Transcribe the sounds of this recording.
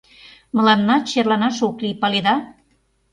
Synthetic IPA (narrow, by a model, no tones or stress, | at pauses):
mə̆lɑnːɑt͡ɕerlɑnɑʃoklipɑled̪ɑ